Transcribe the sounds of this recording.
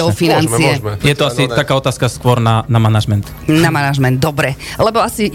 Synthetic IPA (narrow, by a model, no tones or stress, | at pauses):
ɔfinant͡siɛjɛt̪ɔasit̪akaːɔt̪aːskaskʋɔɾnanamanaʒmɛnt̪ | namanaʒmɛnd̪̚d̪ɔbɾɛlɛbɔasi